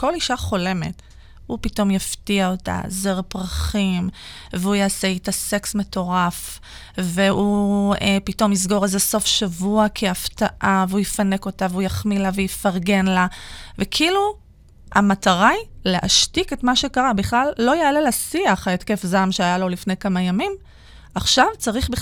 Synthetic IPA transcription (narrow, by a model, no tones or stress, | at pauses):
ko̞liʃaχo̞le̞me̞̰t | hupito̞mjaftiaota̰zeʁpʁaχimveujaːseitase̞ksme̞to̞ʁaf | veuepito̞misɡo̞ʁalzeso̞fʃavuakʰiaftaʔaveujifane̞ko̞taveujaχmilavejifaʁɡe̞nlavekʰilu | a̰mataʁajleʔa̰ʃtike̞tmaʃe̞kaʁabiχlalːo̞jaːlelasiaχaetkefzamʃeajalo̞lifne̞jkamajamim | aχʃavt͡saʁiχbi